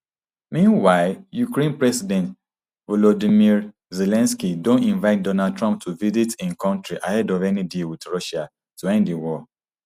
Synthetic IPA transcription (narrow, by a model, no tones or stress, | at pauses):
mĩnwaɪljukɹẽnpɹɛsidɛ̃nt | vɔlɔdimiɹ | zelɛ̃nskidõntĩnvaɪt̚dɔnad̚tɹɔ̃mp̚tʰuvizitĩnkʰãntɹiʔahɛdɔvɛnidilwidɹɔʃa | tuɛ̃ndiwɔ